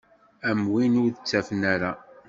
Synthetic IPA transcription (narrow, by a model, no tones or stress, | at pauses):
æmwinʊɾðət͡sːæfənæɾa